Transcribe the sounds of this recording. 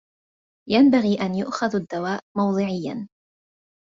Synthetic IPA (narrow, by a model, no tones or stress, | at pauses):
jambaɣiːʔanjʊʔxaðad̪ːawaːʔmɑwðˤɨʕɪjːan